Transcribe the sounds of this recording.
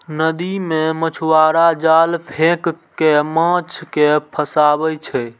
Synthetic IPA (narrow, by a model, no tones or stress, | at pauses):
nəd̪imẽmət͡ʃʰuwaɾad͡ʒalpʰẽk | kemãt͡ʃʰkepʰəsabɛt͡ʃʰɛ